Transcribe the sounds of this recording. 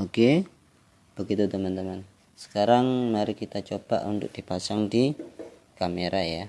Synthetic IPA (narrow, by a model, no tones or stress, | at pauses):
oke | b̥əɡit̪ut̪əmant̪əman | sə̥kaɾaŋmaɾikit̪at͡ʃoba̰ʔunt̪ʊ̰k̚d̥ipasaŋdi | kameɾʔaja